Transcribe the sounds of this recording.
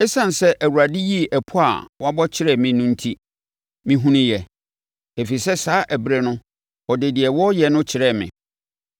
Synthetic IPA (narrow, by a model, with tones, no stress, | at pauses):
ɛ˦sã˨n˨sɛ˦ʔæ˨wu˨ɾa˨dɪ˦ji˦˨ʔɛ˨pʰʊ˦a̰˨wa˦bɔ˦t͡ɕʰɪ˦ɾɛ˦˨mɪ̃˨˦nʊ̃˦n̩˦tʰi˦ | mĩ˨ɦũ˦nĩ˦jɛ˨ | e˨fi˨sɛ˦saː˦ʔæ˨bɾɛ˨nʊ̃˦ | ɔ˨de˨di˨ɛ˨wɔ˦jɛ˨nʊ̃˦t͡ɕʰɪ˨ɾɛ˦˨mɪ̰̃˨